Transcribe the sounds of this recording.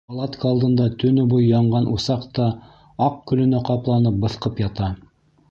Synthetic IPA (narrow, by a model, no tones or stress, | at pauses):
pɑlˠɑt̪kəɑlˠd̪ɤ̆nd̪ɑt̪ɵ̆nɵbujjɑɴɢɑnʔusɑqt̪ɑ | ɑq̚kɵ̆lɵ̆næqɑplˠɑnɤp̚bɤ̆θqɤpjɑt̪ɑ